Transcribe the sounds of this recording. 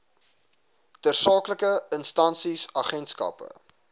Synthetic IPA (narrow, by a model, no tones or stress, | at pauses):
tərsɑːkləkəənstɐnsisɑχɛntskɐ̰pə̰